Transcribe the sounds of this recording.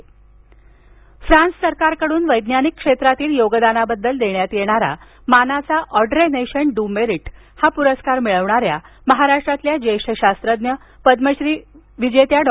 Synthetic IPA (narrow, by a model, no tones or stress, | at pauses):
fɾãnssəɾkaɾkəɽuːnʋəjd̪njanikːʂet̪ɾat̪iːljoɡəd̪anabəd̪ːəld̪eɳjat̪jeɽ̃aɾa̰ | manat͡saʔɔɖɾeneɕənɖumeɾiʈ | hapuɾəskaɾmiɭəʋɳaɾja | məɦaɾaʂʈɾat̪ljad͡ʑejɕəɕast̪ɾəd̪jə | pəd̪məɕɾiː | ʋid͡ʑet̪jaɖ